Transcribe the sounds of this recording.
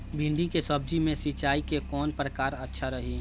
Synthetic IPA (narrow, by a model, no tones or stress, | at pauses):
bʱɪ̃nɖ̪ikesəbd͡ʒimẽsit͡ʃaːikekɔːnpɾəkaːɾətːʃʰaɾəɦi